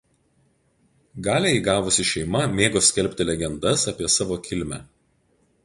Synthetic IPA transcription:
ɡɑːlʲeɪɡɑːʋʊsʲɪʃʲɛɪmɐmʲeːɡoːsʲkʲɛlʲpʲt̪ʲɪlʲɛɡʲɛnd̪ɐsɑpʲiɛsɑːʋoːkʲɪlʲmʲæː

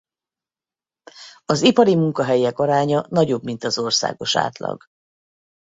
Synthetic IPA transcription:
ɒzipɒɾimuŋkɒɦɛjɛkɒɾaːɲɒnɒɟo̞bmint̪ɒzo̞rsa̰ːɡo̞ʃa̰ːt̪lɒ̰ɡ̥

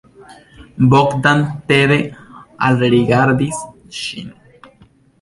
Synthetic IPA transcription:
bokd̪ant̪eβealɾiɡaɾd̪is | ʃḭn

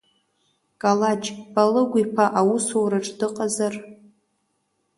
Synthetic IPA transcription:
kʼalad͡ʒb̥alɨɡʷipʰaʔawusowɾaʈ͡ʂʼdɨqʼazar

